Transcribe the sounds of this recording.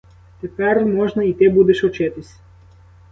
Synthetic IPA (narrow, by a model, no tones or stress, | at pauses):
t̪epɛrmɔʒnɐit̪ɪbud̪eʃɔt͡ʃɪt̪ɪsʲ